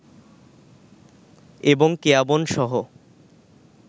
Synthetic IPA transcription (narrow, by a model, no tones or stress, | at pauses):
eboŋkeabonʃɔɦo